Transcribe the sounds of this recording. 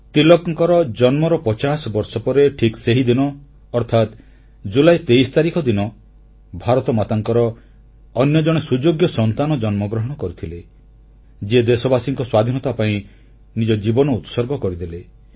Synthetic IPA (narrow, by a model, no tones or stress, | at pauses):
t̪ilɔkŋkɔɾɔd͡ʒɔnmɔɾɔpɔt͡ʃasɔbɔɾsɔpɔɾeʈʰikseɦid̪inɔː | ɾt̪ʰat̪ | d͡ʒulajt̪ejst̪aɾikʰɔd̪inɔ | bʱaɾɔt̪ɔmat̪aŋkɔɾɔː | njɔd͡ʒɔɽ̃esud͡ʒoɡjɔsɔnt̪anɔd͡ʒɔnmɔɡɾɔɦɔɽ̃ɔkɔɾit̪ʰile | d͡ʒied̪esɔbasiŋkɔswad̪ʱinɔt̪apaĩ | nid͡ʒɔd͡ʒibɔnɔut̪sɔɾɡɔkɔɾid̪ile